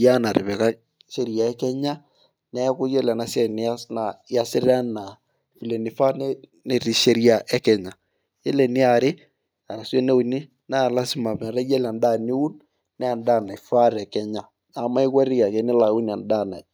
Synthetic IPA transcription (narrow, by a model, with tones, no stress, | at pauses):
ja˦na˨ɾɪ˨βɛ˨ka˦ | ʃe˦ɾi˦a˨ɛ˦kɛ˦ɲa˦ | nɛ˦kʊ˦jɛ˦lɛ˨na˨˦sɛ˦˨ni˦a˦sna˨˦a˦sɪ˦ɾa˦na˨ | fi˨le˨ni˨fa˦nɛ˦ | ne˨ɾi˨ʃe˦ɾi˦a˦ʔɛ˦kɛ˨ɲa˨ | jɛ˦le˨nɪ˦a˨ɾɪ˦ | a˨ɾa˨swe˦ne˦u˨ni˦ | na˦˨la˦si˦ma˨m˨ɾɛ˦jɛ˦la˨nda˦˨ni˦u˦n | nɛ˦a˨nda˦˨na˨jfa˦ɾɛ˨kɛ˦ɲa˦˨ | a˨ma˦i˦ka˦ɾɪ˦ja˨ke˨nɪ˦la˨˦u˦n˨a˨nda˦˨na̰˨j